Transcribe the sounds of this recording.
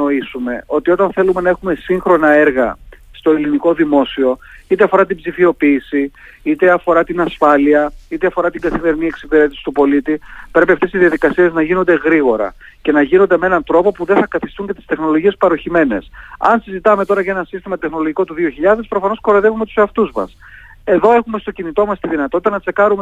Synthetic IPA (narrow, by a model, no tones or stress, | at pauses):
oisume̞o̞t̪iot̪ɐnθe̞lume̞nɐe̞xume̞siŋxɾo̞nɐe̞ɾɣɐ̰st̪o̞eliniko̞ðimo̞sio̞it̪eɐfo̞ɾɐt̪ibzifio̞piːsi | it̪e̞ɐfo̞ɾɐt̪inɐsfɐliɐit̪eɐfo̞ɾɐt̪iŋɡɐθime̞ɾinieksipiɾe̞t̪isi̥t̪upo̞lit̪ipɾe̞p̬iɐft̪e̞siðiɐðikɐsie̞znɐʝino̞nd̪e̞ɣɾiɣo̞ɾɐ̰ | ce̞nɐʝino̞nd̪emee̞nɐnt̪ɾo̞popuðe̞θɐkɐθist̪uɲcet̪i̥st̪exno̞lo̞ʝie̞spɐɾo̞çime̞ne̞sɐ̰nsizit̪ɐme̞t̪o̞ɾɐʝɐe̞nɐsist̪imɐt̪e̞xno̞lo̞ʝiko̞t̪uðioçiʎɐðe̞spɾo̞fɐno̞sko̞ɾeðe̞vume̞t̪u̥seɐft̪uzmɐ̰s | e̞ðo̞e̞xume̞st̪o̞cinit̪o̞mɐst̪iðinɐt̪o̞t̪it̪ɐnɐt͡se̞kɐɾume